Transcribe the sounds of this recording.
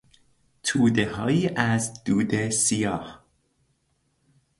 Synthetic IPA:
t̪ʰuːd̪e̞ɦɒːjiːʔæzd̪̥uːd̪e̞sijɒːh

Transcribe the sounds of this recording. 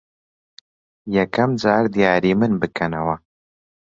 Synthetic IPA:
jɐkʰɐmd͡ʒaːɾd̪ijaːɾiːmɨnbɨkʰɐnɐwɐ

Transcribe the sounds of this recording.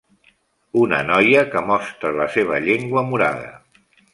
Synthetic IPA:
unə̰nɔjəkəmɔst̪ɾələseβ̞əʎeŋɡwəmuɾa̰ðə̰

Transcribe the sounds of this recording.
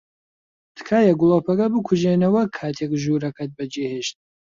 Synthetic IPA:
t̪ʰɨ̥kʰaːjɐɡulˠopʰɐɡɐbɨkʰʊʒenɐwɐkʰːaːt̪ʰekʒuːɾɐkʰɐt̪̚bɐd͡ʒeheʃt̪̚

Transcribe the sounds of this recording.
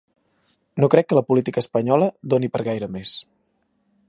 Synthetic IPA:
nokɾɛkːələpulit̪ikəːspəɲɔləd̪onipəɾɣajɾəmes

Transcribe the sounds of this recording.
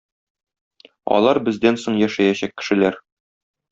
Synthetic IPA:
ɒ̰lˠɑɾbɘ̆zd̪ænsoɴjæʃæjæɕækːɘ̥̆ʃɘ̆læɾ

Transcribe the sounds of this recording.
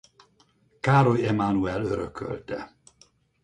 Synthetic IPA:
kaːɾojɛmanuɛløɾøkʰø̰lt̪ɛ

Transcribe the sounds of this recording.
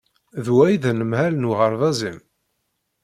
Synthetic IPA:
ðwæjiðænəmhælnuʁəɾˤðæzim

